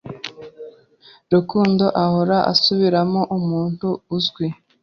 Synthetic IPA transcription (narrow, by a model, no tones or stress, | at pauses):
ɾukuːndo̞ʔahoɾaʔa̰suβiɾamo̞ʔumuːn̥huːzɡwi